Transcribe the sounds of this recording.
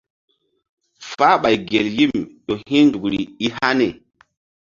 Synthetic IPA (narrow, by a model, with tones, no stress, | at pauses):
fa˦ɓa˨jɡe˨lji˦˨mɗo˨hi˦ndu˨kɾḭ˨i˦ha˦ne˨